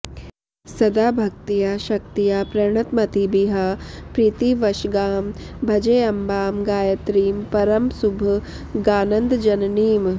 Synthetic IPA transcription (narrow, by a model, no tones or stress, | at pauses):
sɐd̪aːbʱɐk̚t̪ijaːʃɐk̚t̪ijaːpɾɐɾɳ̃ɐt̪mɐt̪ibiɦɐpɾiːt̪iʋɐʃɡaːmbʱɐd͡ʒɐjɐmbaːmɡaːjɐt̪ɾiːmpɐɾɐmsubʱɐ | ɡaːnɐnd̪d͡ʒɐnɐniːm